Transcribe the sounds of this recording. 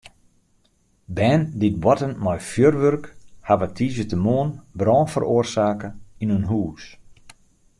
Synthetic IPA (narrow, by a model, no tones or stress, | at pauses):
bɛːndit̚wɔtənmɔjfjørʋørkhaʋətʰiːzətəmoənbrɔːnfə̰roːərsaːkəinynɦuːs